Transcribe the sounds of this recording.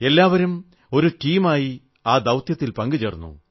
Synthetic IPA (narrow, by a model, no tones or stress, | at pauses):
e̞lːaːʋɐɾum | o̞ɾuʈiːmaːji | aːd̪ɐwt̪jɐt̪ːilpɐŋɡut͡ɕeːrnːṵ